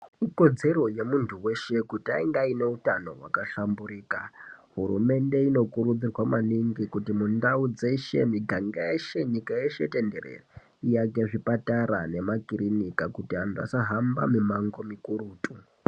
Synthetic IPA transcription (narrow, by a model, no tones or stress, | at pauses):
iko̞d͡ze̞ɾo̞je̞muntʰuwe̞ʃe̞kuta̰iŋɡaine̞utano̞̰wa̰kaʃambuɾiːkaɦurume̞nde̞ino̞kuɾud͡zirwamaniŋɡikutimundaud͡zeʃe̞̰miɡʱaŋɡajeʃe̞ɲikajeʃe̞̰te̞nderḛre | ijakeʐipataɾane̞makiɾinikakutiandua̰saɦamba̰mimaŋɡo̞mikuɾuːtu